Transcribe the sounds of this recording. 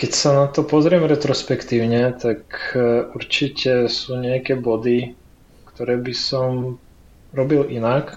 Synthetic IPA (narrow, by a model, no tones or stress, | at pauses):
kɛcsanat̪ɔpɔzɾɪɛmɾɛt̪ɾɔspɛkt̪iːʊɲɛt̪akuɾt͡ʃicɛsuːɲɛakɛːbɔd̪i | kt̪ɔɾɛːbisɔm | ɾɔbilinak